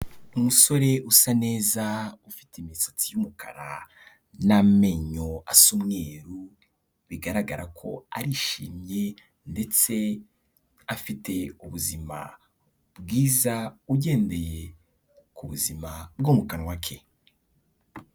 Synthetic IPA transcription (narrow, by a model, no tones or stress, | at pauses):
umuso̞ɾe̞ʔusane̞ːzaufi̥timisḁt͡sijumukʰa̰ɾa̰ | name̞ɲoasumŋe̞ːɾu | βiɡaɾaɡaɾʔakʰo̞a̰ɾiʃḭːmje̞ | nde̞t͡se̞ | afite̞uβuzima̰ | bɡiːzauɟe̞ːnde̞je | kʰuβuzimabɡomukanwakʰe